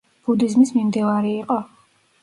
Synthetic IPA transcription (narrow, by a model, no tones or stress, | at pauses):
b̥ud̪izmismimd̪ivaɾiːqʼɔ